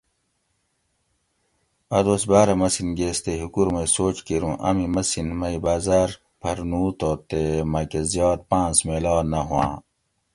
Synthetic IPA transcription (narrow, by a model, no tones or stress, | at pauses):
ɐd̪oːsbaːɾɐmɐsinɡeːst̪eɦukuɾmesoːt͡ɕkiɾũːʔɐ̰mimɐsinmɐibaːzaːɾ | pʰɐɾnuːt̪oːt̪emɐkezjɑːd̪̚pãːnsmeːlɑːnɐɦuwã̰ː